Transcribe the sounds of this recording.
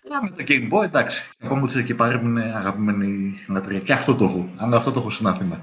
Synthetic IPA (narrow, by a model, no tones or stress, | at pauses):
ɐmet̪oɟembojed̪ɐksi̥ɐkomuθscepɐɾimineɐɣɐpime̞niɣilɐt̪ɾiɐceɐft̪o̞t̪o̞xoɐnd̪ɐft̪o̞t̪o̞xosinɐθimɐ